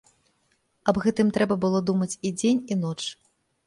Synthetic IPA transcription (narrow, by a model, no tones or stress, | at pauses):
ɐbɣɛt̪ɨmt̪ɾɛbɐbɨlˠɔd̪umɐt͡sʲid͡zʲenʲin̪ɔt͡ʂ